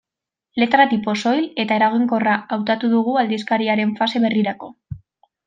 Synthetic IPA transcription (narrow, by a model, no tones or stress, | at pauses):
le̞t̪ɾat̪ipo̞so̞jle̞t̪ae̞ɾaɣ̞iŋko̞raawt̪at̪uðuɣuald̪iskaɾiaɾe̞ɱfase̞βe̞riɾako̞